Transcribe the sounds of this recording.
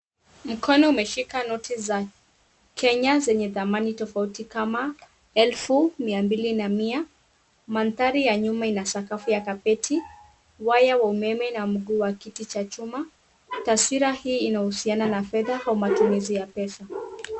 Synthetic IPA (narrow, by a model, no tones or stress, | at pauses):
m̩kʰɔnɔumɛʃikanɔtiza | kʰɛɲazɛɲɛðamanitɔfautikama | ɛlfumiambilinamia | manθaɾijaɲumainasakafujakapɛtʰi | wajawaumɛmɛnam̩ɠuːwakitit͡ʃat͡ʃuma | tasiɾahiːnahusiananafɛðahaumatumizijapɛsa